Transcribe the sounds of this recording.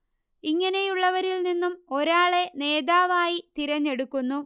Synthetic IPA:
iŋːɐne̞juɭːɐʋɐɾilninːumo̞ɾaːɭe̞ne̞ːd̪aːʋaːjit̪iɾɐɲːe̞ɽukːunːu

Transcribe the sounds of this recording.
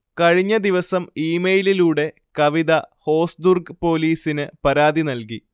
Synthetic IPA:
kɐɻiɲːɐd̪iʋɐsɐmiːmejililuːɽe̞ | kɐʋiðɐho̞ːsd̪urɡpo̞ːliːsinɨpɐɾaːd̪inɐlki

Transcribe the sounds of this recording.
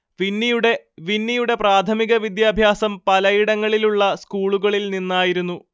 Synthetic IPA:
ʋinːijuɽe̞ | ʋinːijuɽe̞praːt̪ʰɐmiɣɐʋid̪jaːbʱjaːsɐmpɐlɐjiɽɐŋːɐɭiluɭːɐskuːɭuɣɐɭilninːaːjiɾunːu

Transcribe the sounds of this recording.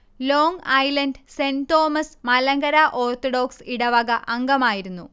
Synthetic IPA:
lo̞ːŋɐjlɐnɖsent̪o̞ːmɐsmɐlɐŋɡɐɾaʔoːrt̪oɽo̞ːksiɽɐʋɐɡɐʔɐŋɡɐmaːjiɾunːu

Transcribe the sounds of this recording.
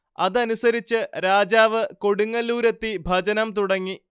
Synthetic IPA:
ɐðɐnusɐɾit͡ɕːɨɾaːd͡ʑaːʋɨko̞ɽuŋːɐluːɾɐt̪ːibʱɐd͡ʑɐnɐmt̪̬uɽɐŋːi

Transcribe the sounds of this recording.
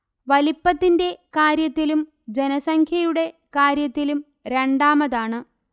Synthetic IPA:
ʋɐlipːɐt̪ːinde̞kaːɾjɐt̪ːilum | d͡ʑenɐsɐŋkʰjɐjuɽe̞kaːɾjɐt̪ːilum | ɾe̞ɳɖaːmɐðaːɳɨ

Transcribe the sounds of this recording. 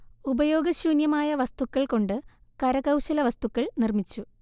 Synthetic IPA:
ubɐjo̞ːɡɐɕuːnjɐmaːjɐʋɐst̪ukːɐɭko̞ɳɖɨkɐɾɐkɐwɕɐlɐʋɐst̪ukːɐɭnirmit͡ɕːu

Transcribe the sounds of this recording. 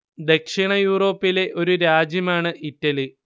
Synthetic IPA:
d̪e̞kʂiɳɐjuːro̞ːpːile̞ʔo̞ɾuɾaːd͡ʑjɐmaːɳɨʔitːɐli

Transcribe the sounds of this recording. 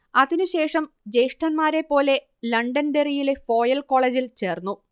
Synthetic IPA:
ɐðinuɕe̞ːʂɐm | d͡ʑejʂʈɐnmaːɾe̞pːo̞ːle̞ | lɐɳɖɐnɖerijile̞fo̞ːjɐlko̞ːɭeːd͡ʑilt͡ɕe̞ːrnːu

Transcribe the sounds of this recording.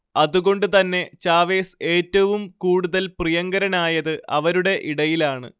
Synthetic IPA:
ɐðuɣo̞ɳɖɨt̪ɐnːe̞t͡ɕaːʋe̞ːseːtːɐʋumkuːɽuðɐlprijɐŋɡɐɾɐnaːjɐðɨʔɐ̰ʋɐɾuɽe̞ʔiɽɐjilaːɳɨ̰

